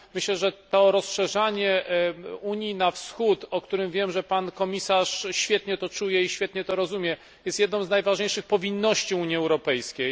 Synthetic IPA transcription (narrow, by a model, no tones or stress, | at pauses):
mɘɕlɛʐɛt̪ɔɾɔsʂɛʐaɲɛ | uɲinafsxut̪ɔkt̪uɾɘmvʲjɛmʐɛpankɔmʲisaʂɕfʲjɛt̪ɲɛt̪ɔt͡ʂujɛiɕfʲjɛt̪ɲɛt̪ɔɾɔzumʲjɛ | jɛst̪jɛd̪̚nɔ̃w̃znajvaʐɲejʂɘxpɔvʲinːɔɕt͡ɕiuɲiɛwɾɔpɛjskʲej